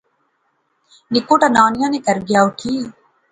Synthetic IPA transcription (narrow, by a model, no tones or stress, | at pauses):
nɪkoːʈaːnaːnɪjãːneːkəɾɡjaːoːkʰiː